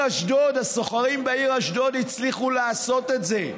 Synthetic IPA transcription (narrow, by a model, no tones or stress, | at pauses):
aʃdod̪hasoχaʁimbaiʁaʃdod̪it͡sliχuleaːso̞t̪etze